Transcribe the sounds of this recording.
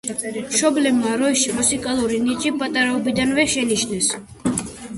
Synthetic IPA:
mʃɔblɛbmaɾɔʃimusikʼalˠuɾinit͡ʃʼipʼat̪ʼaɾaɔbid̪anvɛʃɛniʃnɛs

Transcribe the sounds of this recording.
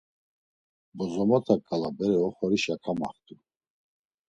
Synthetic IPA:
bɔzɔmɔt̪ʰakʼalabɛɾɛɔχɔɾiʃakʰama̰χt̪ʰʼu

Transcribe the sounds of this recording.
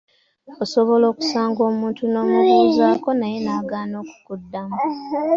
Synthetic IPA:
oso̞βo̞lo̞ːku̥saːŋɡo̞ːmuːntuno̞ːmuβuːzaːko̞naje̞naːɡaːno̞ːku̥kudːamu

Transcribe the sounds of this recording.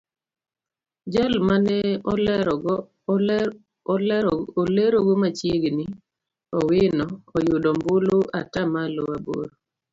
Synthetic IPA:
d͡ʒalmanɛ | oleɾoɡomat͡ʃjeɡni | ɔwɪnɔɔjʊdɔmbʊloʔatamalowabo̰ɾ

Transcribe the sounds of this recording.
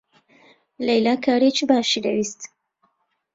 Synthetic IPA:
lɛjlaːkʰaːɾet͡ʃʰɨbaːʃid̪ɐwist̪

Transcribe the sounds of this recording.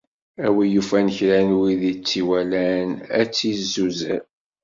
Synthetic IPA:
æwijufænəçɾænwiðit͡sːiwælænæt͡sːizːuzæ̰ɾ

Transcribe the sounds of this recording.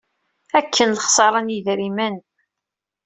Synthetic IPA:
ækʰːənləχsˤɑɾˤɑnjiðɾimən

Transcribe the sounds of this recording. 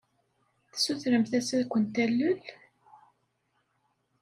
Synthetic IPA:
θsuθɾəmθæsæðkʷːənt̪ælːʊl

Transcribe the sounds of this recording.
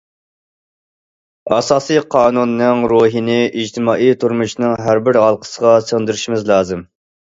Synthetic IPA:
ɑsɑːsɨjqʰɑːnunːɨŋɾuɦinɪʔid͡ʒt̪ʰɪmɑːʔijt̪ʰuɾmuʃnɨŋɦæɾbɪɾɦɑlˠqʰə̥səʁɑsøʁd̪ɪɾɪʃimɪzlˠɑːzɨm

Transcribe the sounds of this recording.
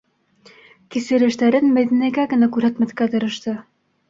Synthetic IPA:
kisɘ̆ɾɘ̆ʃt̪æɾɘnmæjðænæjɡæɡɘ̆nækʉɾhæt̪mæθkæt̪ɤ̆ɾɤ̆ʃt̪ɤ

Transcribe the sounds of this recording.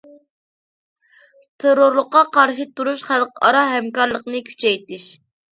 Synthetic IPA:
t̪ʰeɾoɾlˠəqːɑqʰɑɾʃɨt̪uɾuʃχælˠqɑ̰ɾɑɦɛmkɑɾlˠəqnɨkʲʰy̥t͡ʃʰɛjt̪ɪlɪʃ

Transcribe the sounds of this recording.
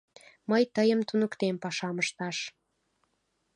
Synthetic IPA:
məjt̪əjəmt̪unəkt̪empɑʃɑməʃt̪ɑʃ

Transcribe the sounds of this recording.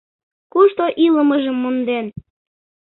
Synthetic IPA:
kuʃt̪oʔiləməʒəmːond̪en

